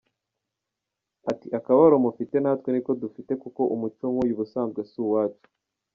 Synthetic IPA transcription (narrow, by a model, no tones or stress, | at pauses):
atiʔakaβaɾomufite̞naːtwe̞niko̞dufite̞kuko̞ʔumut͡ʃoŋujuβusaːnzɡwe̞suwaːt͡ʃu̥